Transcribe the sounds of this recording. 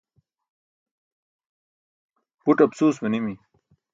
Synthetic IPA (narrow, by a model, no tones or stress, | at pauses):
puʈɐbsuːsmɐnimi